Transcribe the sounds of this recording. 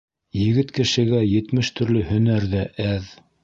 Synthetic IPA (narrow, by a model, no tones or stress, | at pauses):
jɘ̆ɡɘt̪kɘ̆ʃɘ̆ɡæjɘ̆t̪mɘʃt̪ɵ̆ɾlɵhɵ̆næɾðæʔæð